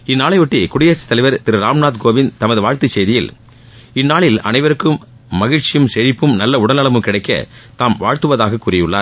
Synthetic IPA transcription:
ɪnːaːɭɐɪʋɔʈːikʊɽɪjɐst̪ːɐlɪʋɐɾt̪ɪɾɯɾaːmnaːt̪̚ɡoːʋɪnt̪ɐmɐðɯʋaːɻt̪ɯt͡ʃːsɛjðɪjɪl | ɪnːaːɭɪlɐ̰nɐɪʋɐɾɯkːɯmː | ɐɣɪɻt͡ʃːɪjɐmsɛɻɪpːɯmnɐlːɐʊɽɐlɐɭɐmɯmkɪɽɐɪkːɐ̰t̪aːmʋaːɻt̪ɯʋɐðaːɣɐkːuːɾɐjɯɭːaːɾ

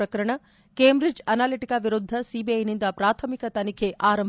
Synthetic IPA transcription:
ɾɐkɐɾɐɳɐ | keːmbɾid͡ʒɐnaːliʈikaʋiɾud̪ʱːɐsibiɐjnind̪ɐpɾaːt̪ʰɐmikɐt̪ɐnikʰeʔaːɾɐm

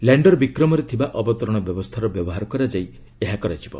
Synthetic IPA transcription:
laɳɖɔɾbikɾɔmɔɾet̪ʰibaʔɔbɔt̪ɔɾɔɽ̃ɔbjɔbɔst̪ʰaɾɔbjɔbɔɦaɾɔkɔɾad͡ʒaj | eɦakɔɾat͡ʃʰibɔ̰

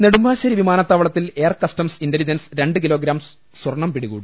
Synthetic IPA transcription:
ne̞ɽumbʱaːɕɐɾiʋimaːnɐt̪ːɐʋɐɭɐt̪ːile̞ːɐrkɐstɐmsindelid͡ʑɐnsɾe̞ɳɖɨkilo̞ːɡɾaːm | swɐrɳɐmpiɽiɣuːɽɨ

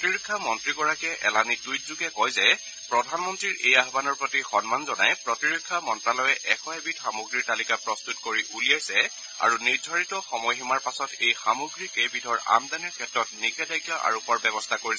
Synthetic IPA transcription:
ɔtiɹukʰːamɔntɹiɡɔɹakɛʔɛlanitujt̚zuɡɛkɔjzɛ | pɹɔdʱanmɔntɹiɹʔejaɦbanɔɹpɹotixɔnmanzɔnajpɹɔtiɹokʰːamɔntɹalɔjɛʔɛkʰɔɛbitxamuɡɹiɹtalikapɹɔstutkoɹiʔulijajsɛ | a̰ɹuniɹdʱaɹitɔxɔmɔjximaɹpasɔtejxamuɡɹikebidʱɔɹa̰mdaniɹkʰɛtɹɔtnikɛdajɡjɔʔa̰ɹupɔɹbɛbɔstʰakoɹisɛ

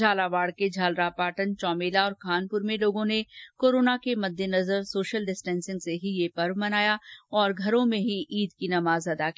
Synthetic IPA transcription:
d͡ʒaːlaʋaːɽked͡ʒʱaːlɾapaːʈənt͡ʃɔːmeːlaɔːɾkʰaːnpʊɾmẽloːɡõnekoːɾoːnakemɐd̪ʱːjenɐzəɾsoːʃəlɖɪsʈɛ̃ːnsɪ̃ŋɡseɦijepɐɾʋmɐnaːjaɔːɾɡʱɐɾõmẽɦiʔiːd̪kinɐmaːzɐd̪aːki

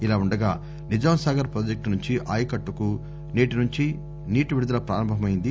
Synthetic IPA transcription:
ilaːuɳɖɐɡaː | nid͡ʒaːmɐsaːɡɐɾpɾoːd͡ʒek̚ʈnuɲt͡ʃiʔaːjɐkɐʈːuku | niːʈinuɲt͡ʃi | niːʈuʋiɽud̪ɐlɐpɾa̰ːɾɐmbʱɐmɐjind̪i

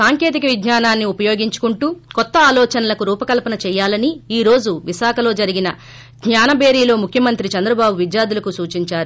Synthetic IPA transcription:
saːŋke̞ːt̪̬ikɐʋid̪ɲaːnaːnːiupɐjo̞ːɡiɲt͡ʃu̥kuɳʈuːkɔt̪ːɐaːlɔːt͡ʃɐnɐlɐkuɾuːpɐkɐlpɐnɐt͡ʃɛːjːaːlɐniiːɾo̞ːd͡ʒuʋiʃaːkʰɐlo̞ːd͡ʒɐɾiɡinɐ | ɡɲaːnɐbe̞ːɾiːlo̞ːmukʰjɐmɐnt̪ɾit͡ʃɐnd̪ɾɐbaːbuʋid̪jaːd̪ulɐkusuːt͡ʃiɲt͡ʃaːɾu

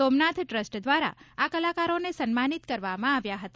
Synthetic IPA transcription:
omnat̪ʰʈɾəsʈd̪ʋaɾa̰akəlakaɾonesənmanit̪kəɾʋamãaʋjaɦət̪

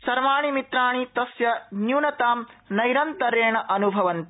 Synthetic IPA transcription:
sɐɾʋaːɳ̃imit̪ɾaːɳit̪ɐsjɐnjuːnɐt̪aːmnɐjɾɐnt̪ɐɾeːɳɐʔɐnubʱɐʋɐnt̪i

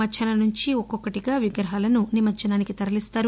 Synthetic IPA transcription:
ɐt͡ʃʰɐnɐnuɲt͡ʃiɔkːɔkːɐʈiɡaːʋiɡɾɐɦaːlɐnunimɐt͡ʃːɐnaːnikit̪ɐɾɐlist̪aːɾu

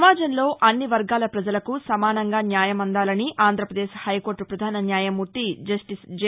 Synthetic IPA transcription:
maːd͡ʒɐmlo̞ːʔɐnːiʋɐɾɡaːlɐpɾɐd͡ʒɐlɐkusɐmaːnɐŋɡaːnjaːjɐmɐnd̪aːlɐniʔaːnd̪ʱɾɐpɾɐd̪eːʃhɐjko̞ːɾʈːupɾɐd̪ʱaːnɐnjaːjɐmuʈːiʈid͡ʒ

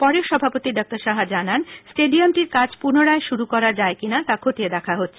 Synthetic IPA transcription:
pɔɾeoʃɔbʱapot̪iɖɔk̚ʈaɾʃaɦad͡ʑanansʈeɖiomʈiɾkad͡ʑpuɾnoɾaeʃuɾukɔɾaɾd͡ʑaekinat̪akʰot̪ied̪ɛkʰaɦotːɕʰe̥

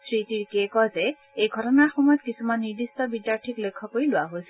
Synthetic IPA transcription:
sɹitiɹkekɔze | ejɡʱɔʈɔnaɹxɔmɔjɔt̪̚kisʰumanːiɹd̪ist̪ɔbidjaɹʈʰiklekʰːɔkoɹiloaɦojsʰi

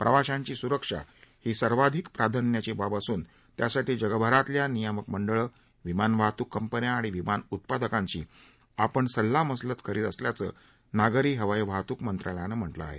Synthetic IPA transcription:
pɾəʋaɕãɲt͡ɕiːsuɾəkʂa̰hiːsəɾʋad̪ʱikpɾad̪ʱənjat͡ɕebabəsuːn | t̪jasaʈiːd͡ʑəɡəbʱəɾat̪ljanijəməkməɳɖəɭə | ʋimanʋʱat̪uːkːəmpənjaːɽ̃iʋimanut̪̚pad̪əkãɲt͡ɕḭː | apəɳsəlːaməslət̪kʰəɾiːt̪əsljat͡sə̰ː | naɡɾiːɦəʋəjʋʱat̪uːkmənt̪ɾaljanəm̤əʈlə̰a̰ɦḛ

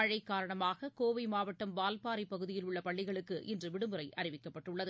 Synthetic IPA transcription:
ɐɻɐɪkːaːɾɐɳɐmaːɣɐkoːʋɐɪmaːʋɐʈːɐmʋaːlpaːɾipɐɣɯðɪjɪlʊɭːɐpɐɭːɪɣɐɭɯkːɯʔɪndrɯʋɪɽɯmɯɾɐɪʔɐrɪʋɪkːɐpːɐʈːɯɭːɐðɯ

